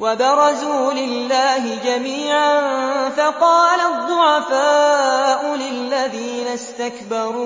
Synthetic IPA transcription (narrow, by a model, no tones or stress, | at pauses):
wabɪɾˤɑzuːlɪlːaːɦɪd͡ʒamiːʕanfaqɑːlad̪ˤːʊʕɑfaːʔʊlɪlːaðiːnast̪akbɑɾˤuː